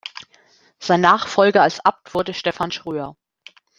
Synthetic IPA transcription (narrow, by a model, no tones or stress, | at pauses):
z̥aɪnːaːχfɔlɡɐalsʔap̚tv̥ʊɐdəʃtɛfanʃʁ̥yːɐ